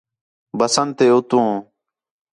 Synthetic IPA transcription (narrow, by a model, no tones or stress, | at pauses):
bəsənt̪eːut̪ũː